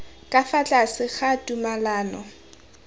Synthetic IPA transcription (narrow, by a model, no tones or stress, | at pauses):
kʼafat͡ɬʼasɪɣatʼumalaːnɔ